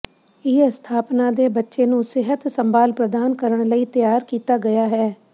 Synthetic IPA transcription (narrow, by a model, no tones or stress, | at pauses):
ɪst̪ʰaːpnãːd̪eːbətːʃeːnũːsɪɦət̪səmbaːlpɾəd̪aːnkəɾəɳ̃ləiːt̪jaːɾkiːt̪aːɡəjaːɦɛː